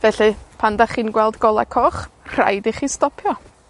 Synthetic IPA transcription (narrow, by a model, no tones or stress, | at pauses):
vɛɬɨpʰandaχiːnɡwɛlˠdɡɔlˠa̰kʰɔχr̥a̰jdiχistɔpʰjɔ